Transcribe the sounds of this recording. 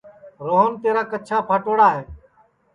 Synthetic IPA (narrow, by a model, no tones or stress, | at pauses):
ɾoːɦənt̪eːɾaːkət͡ʃʰaːpʰaːʈoːɽaːɦeː